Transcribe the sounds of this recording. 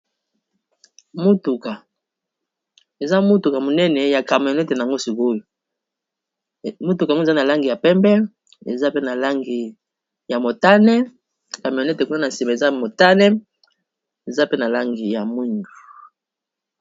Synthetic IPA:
mo˦tu˨ka˨ | e˨za˦mu˦tu˨ka˨mo˨nɛ˦nɛ˨ja˨ka˨m˨o˨nɛ˦te˨na˨a˨ŋɡo˦si˨ko˦jo˨ | mo˦tu˨ka˨ŋ˦o˦˨zna˨la˦ŋɡi˨ja˨pɛ˦mbɛ˦ | ḛ˨za˦pe˦na˨la˦ŋɡi˨ | ja˨mo˨ta˦nɛ˦ | ka˨mi˨o˨nɛ˦te˨ku˦a˦na˨n˨si˨mba˨e˨za˦mo˨ta˦nɛ˦ | e˨za˦pe˦na˨la˦ŋɡi˨ja˨mwi˦ŋɡu˨

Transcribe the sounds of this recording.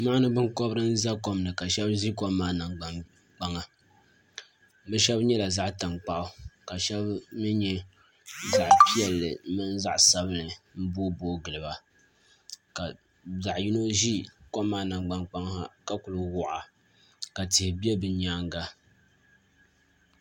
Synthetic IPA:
ma˦nɨ˦bɨ˦ŋko˦bɾɨ˦n̩˦za˦ko˦mnɨ˨ka˨ʃɛ˦bʒi˦koː˦aː˦na˨ŋɡ͡ba˨ŋ | k͡pa˦ŋa˨ | bɛ˦ʃɛ˦bɲɛ˦la˨za˦ʔta˨ŋk͡pa˦ʔʊ˦ka˨ʃɛ˦bmɨ˦ɲɛ˦ | za˨ʔpi˦jɛ˨lːɨ˨˦mɨ˦n˦za˦ʔsa˦bɨ˦nɨ˨m̩˦boː˦boː˦ɡɨ˨lɨ˨ba˨ | ka˨ | za˨ʔji˦no˦ʒi˦ko˦mː˦aː˦na˨ŋɡ͡ba˨ŋk͡pa˦ŋ˦ha̰˨ka˦ku˨lɨ˨wʊ˨ʔa̰˨ | ka˨tɪ˨hɪ˨bi˦ɛ˦bɨ˨ɲaː˦ŋ˦ɡa˦

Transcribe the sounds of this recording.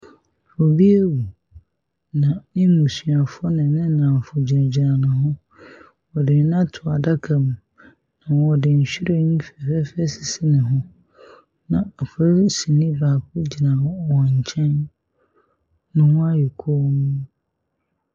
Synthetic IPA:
fɔ˨bi˦e˦wu˨ | nã˨nɪ̃˦mũ˨sɥa˨fɔ˦nɪ̃˨˦nɪ̃˦nã˨fʊ˨d͡ʑi˨ɾa˨d͡ʑi˨nã˨nʊ̃˨ɦʊ̃˦ | ɔ˨dɪ˨˦nã˦tʰʊ˨a˨da˦kʰa˨m˨ | nã˨wɔ˨dɪ˨ɲ̩˨ɕᶣi˦ɾe˦nĩ˦fɛ˨fɛ˦fɛ˦sɪ˨sɪ˦nɪ̃˨ɦʊ̃˦ | nã˨a˨fɔ˦ɾi˦si˨nɪ̃˦baː˨kʰʊ˦d͡ʑi˨nã˨˦˨wɔ˨ɲ̩˨t͡ɕʰɛ̃˦n | nʊ̃˨wɔ̃˦a˦jɛ˨kʰɔ˦nʊ̃˦

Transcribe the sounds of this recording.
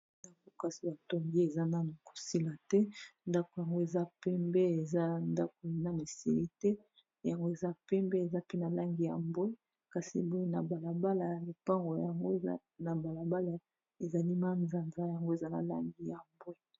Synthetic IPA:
ja˨ŋɡo˦ka˦si˨ba˨to˨ŋɡi˦e˨za˦na˦mo˨ko̥˨si˦la˨tɛ˦nda˦ko˨ja˨ŋɡo˦e˨za˦pɛ˦mbɛ˦e˨za˦nda˦ko˨˦na˨me˨sḭ˦˨li˦tɛ˦ | ja˨ŋɡo˦e˨za˦pɛ˦mbɛ˦e˨za˦pe˦na˨la˦ŋɡi˨ja̰˨mbo˦e˦ | ka˨sḭ˨bo˦e˦na˨ba˨la˨ba˦la˨ja˨le˨pa˦ŋɡo˨ja˨ŋɡo˦˨a̰˦ | na˨ba˨la˨ba˦la˨ | e˨za˨li˦ma˦nza˨nza˦ja˨ŋɡo˦e˨za˦na̰˨la̰˦ŋɡi˦ja˨mbwe˦

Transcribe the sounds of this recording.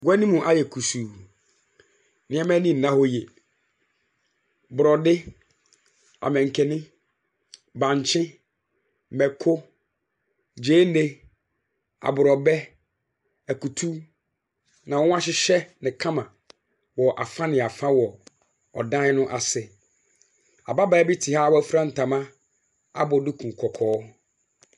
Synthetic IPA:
ɡɛ˦nĩ˦mũ˨ʔa˨jɛ˨kʰu˨suː˨ | nɪ̃˨˦ɛ̃˦mɛ̃˦nĩ˦˨nã˦ho˦jɛ˨ | bʊ˨ɾɔ˨dɪ˦ | a̰˨mɛ̃˨ŋ̩˨kʰɛ˨nɪ̃˦ | bã˨ɲ˨t͡ɕʰɪ̃˦ | mɛ˨kʰʊ˦ | d͡ʑeː˦ne˦ | a̰˨bʊ˨ɾɔ˨bɛ˦ | æ˨ku˨tʰu˦ | nã˨wɔ̃˦wã˦ɕɪ˦ɕɛ˦nɪ̃˨kʰã˦mã˨ | wɔ˨ʔa̰˨fa˦nɪ̃˨a˨fa˦wɔ˨ | ɔ̰˨dã˦nʊ̃˦ʔa˨sɪ˨ | a˨ba˦baː˨˦bi˦tʰi˨haː˦wɔ˦fɾã˦n̩˨tʰã˨mã˦ | a̰˦bɔ˨dɪ˦kʰũ˨kʰɔ˨kʰɔː˦

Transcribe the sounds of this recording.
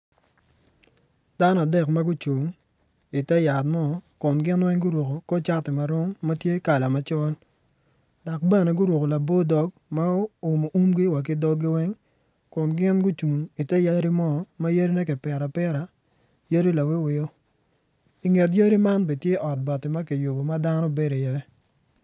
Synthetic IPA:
d̥a˦nɔ˦˨a˨dɛ˨kma˦ɡu˦t͡ʃu˨ŋ | i˨tɛ˦ja˨tmɔ˦kʊ˨nɡɪ˦nwɛ˦ŋɡʊ˦ɾwo˨ko˨ko˦t͡ʃa˦tɪ˨ma˨ɾɔ˦ŋma˦tje˦ka˨la˨ma˨˦t͡ʃɔ˦l | da˨k̚bɛ˦nɛ˨ɡʊ˦ɾwo˨ko˨la˨bo˦dɔ˨˦ɡ | ma˦ʊ˨mo˨ʔu˦mɡi˦wa˨k̬ɪ˦dɔ˦ɡɪ˦wɛ˦ŋ | kʊ˨nɡɪ˦nɡʊ˦t͡ʃu˨ŋi˨tɛ˦ja˦ɾi˦mɔ˦ma˦jə˦ɾi˦nɛ˦kɪ˨pɛ˨ɾa˨pɛ˦ɾa˨ | jə˦ɾi˦la˨wɪ˦wɪ˦o˦ | i˨ŋe˨t̬jə˦ɾi˦ma˦nbe˨tje˦ʔɔ˨t̚bɔ˨tɪ˨ma˦ki˨jo˨bo˨ma˦da˦nɔ˦be˦ɾo˨jɛ˦

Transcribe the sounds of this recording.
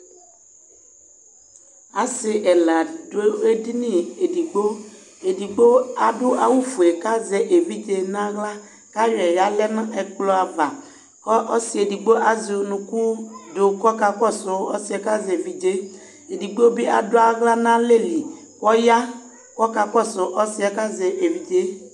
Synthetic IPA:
a˨sɪ˨˦ʔɛ˨la˨do˦e˦di˦nĩ˦e˨di˨ɡ͡bo˦ | e˨di˨ɡ͡bo˦a˨dʊ˦ʔa˨wu˦fu˨e˨ka˦zɛ˨ʔe˨vi˦d͡ʒe˦nã˦ɣla˦ | ka˦ɾɛ˨ja˦lɛ˦na˦ɛ˨k͡plɔ˦a˨va˨ | kɔ˦ɔ˦si˦e˨di˨ɡ͡bo˦ʔa˨zi˨o˨nũ˧ku˦do˨kɔ˦ka˧kɔ˦˨sʊ˨ɔ˦si˦ɛ˨ka˦zɛ˨vi˦d͡ʒe˦ | e˨di˨ɡ͡bo˦bi˦a˨dʊ˦a˨ɣla˦nã˦le˦˨li˨ | kɔ˦ja˦ | kɔ˦ka˧kɔ˦˨sʊ˨ʔɔ˦si˦ɛ˨ka˦zɛ˨ʔe˨vi˦d͡ʒe˦

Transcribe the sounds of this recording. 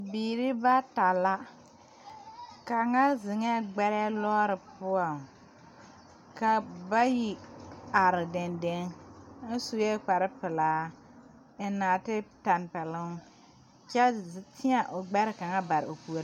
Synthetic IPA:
biː˨ɾɪ˦ba˦ta˨la˦ | ka˨ŋa˦zɪ˨ŋɛ˦ɡ͡bɛ˦ɾɛ˦lɔː˦ɾɪ˨pʊ˦a˨ŋ | ka˨ba˦ji˨a˨ɾɪ˨dɛ˨nde˦ŋ˦n̩˦su˨jɛ˦k͡pa˨ɾɪ˦pɪ˨laː˨˦ | ɪ˨naː˨tɪ˦ta˨npɛ˨lɪ˦ŋ | t͡ʃɛ˦˨tɪ˦a˨ʔʊ˨ɡ͡bɛ˦ɾɪ˨ka˨ŋa˦ba˨ɾɪ˨o˨pu˨o˨˦

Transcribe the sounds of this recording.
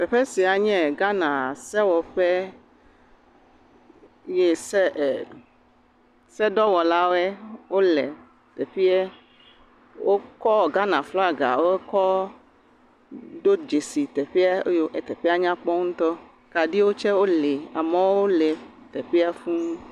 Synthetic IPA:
pɛ˨ɸɛ˦si˨a˨ɲɛ̃˦˨ɡa˦nã˨sɛ˦wɔ˨ɸɛ˦ | jɛ˦sɛ˦˨ | sɛ˦ɖɔ˦wɔ˨la˦wɛ˦wo˦lɛ̰˨ | t̪ɛ˨ɸi˦ɛ˦ | wo˦kɔ˦˨ɡa˦nã˨flɔ˦a˨ɡa̰˨wo˦e˦kɔ˦ | ɖo˦d͡ʒe˨si˨t̪ɛ˨ɸi˦a˦jo˦ʔɛ˨t̪ɛ˨ɸi˦a˦ɲã˦k͡pɔ˦ŋũ˦t̪ɔ˦ | ka˨ɖi˦wo˦t͡ʃɛ˦wo˦le˨a̰˨mɛ̃˦wo˦lɛ˨ | t̪ɛ˨ɸi˦a˦fũ˦

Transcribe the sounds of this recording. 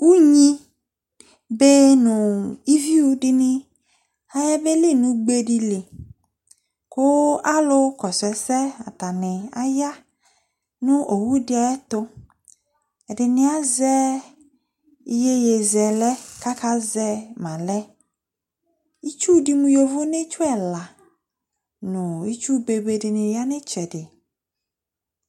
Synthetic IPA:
u˦ɲĩ˦ | be˦nʊ̃˨i˦vi˦u˦dɪ˦nɪ̃˦ | a˨jɛ˦be˦lɪ˦˨nũ˨ɡ͡be˦ɖi˦lɪ˨ | kʊ˦a˦lʊ˦kɔ˨sɛ˨sɛ˦a̰˨t̪a˨nɪ̃˨a̰˦ja˦ | nʊ̃˦ʔo˨wu˦dɪ˦a˨jɛ˦t̪ʊ˦ | ɛ˨dɪ˨nɪ̃˦a˦zɛ˦ | i˦je˦je˨zɛ˨lɛ˦ka˦ka˦zɛ˦mã˨lɛ˦ | i˦t͡ʃu˦dɪ˨mũ˨jo˨vʊ˦ne˦t͡ʃʊ˦ɛ˨la˨ | nʊ̃˨i˦t͡ʃu˦be˨be˨dɪ˨nɪ̃˨ja˦nɪ̃˦t͡ʃɛ˨dɪ˨

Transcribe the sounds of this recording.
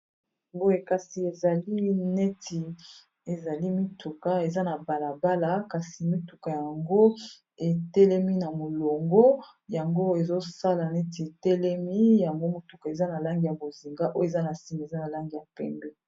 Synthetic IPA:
bo˦e˨ka˨si˨e˨za˨li˦nɛ˦ti˨ | e˨za˨li˦mi˦tu˨ka˦e˨za˦na˨ba˨la˨ba˦la˨ka˨si˨mi˦tu˨ka˨ja˨ŋɡo˦ | e˨tɛ˦lɛ˦mi˦na˨mo˨lo˨ŋɡo˦ | ja˨ŋɡo˦e˨zo˦sa˦la˨nɛ˦ti˨e˨tɛ˦lɛ˦mi˦ja˨ŋɡo˦mo˨tu˨ka˨e˨za˦na˨la˦ŋɡi˨ja˨bo˨zi˨ŋɡa˦ʔo˦je˨za˦na˨si˦m˨e˨za˦na˨la˦ŋɡi˨ja˨pɛ̰˨mbɛ˦

